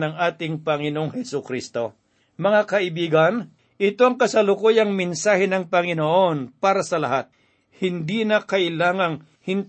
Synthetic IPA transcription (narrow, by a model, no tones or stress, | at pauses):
nɐŋʔaːt̪ɪŋpɐŋɪnoʔoŋhɛsʊkɾist̪o̞ | mɐŋakɐʔɪbiːɡɐn | ʔɪt̪oɐŋkɐsɐlʊkojɐŋmɪnsaːhɛnɐŋpɐŋɪnoʔo̞npaːɾɐsɐlɐhat̪̚ | hɪnd̪iːnɐkɐʔɪlaːŋɐŋ | hɪn